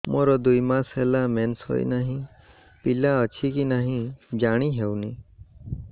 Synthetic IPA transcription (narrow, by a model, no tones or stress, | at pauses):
moɾɔd̪ujmasɦelamensho̰j̰naɦĩ | pilaət͡ʃʰikinaɦĩd͡ʒaɽ̃iɦewni